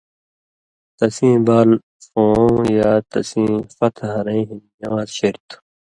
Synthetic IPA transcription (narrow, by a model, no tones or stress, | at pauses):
t̪ɐsĩːbaːl | fõːjaːt̪ɐ̰sĩːfɐt̪ʰɦɐɾẽːɦinjɐwaːzɕeɾt̪